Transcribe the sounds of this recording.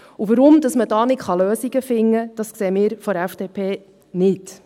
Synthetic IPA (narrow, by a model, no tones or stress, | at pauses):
uʋəɾʊmdɑsmədɑːnɪtχɑløːsiɡ̥əfɪŋːəd̥ɑskseːmɪːɾfɔɾæfd̥eːpʰeː | nɪt